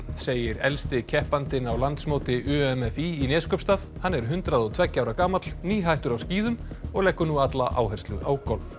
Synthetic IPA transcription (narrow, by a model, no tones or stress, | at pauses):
seːjɪɾɛlst̪ɪcʰɛhpant̪ɪnawlant̪smowt̪ɪʔʏɛmɛfiːnɛːskœpst̪aðhanːɛɾ̥ɦʏnt̪ɾaðɔɣt̪ʰv̥ɛcːaːwɾakaːmat̪l̥niːɦajht̪ʏɾawsciːðʏmɔɣlɛkːʏɾnuat̪laʔa̰ːwɦɛr̥st̪lʏʔawkɔlv